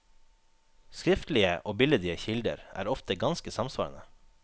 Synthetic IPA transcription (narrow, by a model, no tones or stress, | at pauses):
skɾɪft̪l̩ɪəʔoːbɪləd̪ɪəçɪld̪ə̰ɾʔæ̰ːɾɔft̪əɡɑnskəsɑmsʋɑ̰ːɾə̰nə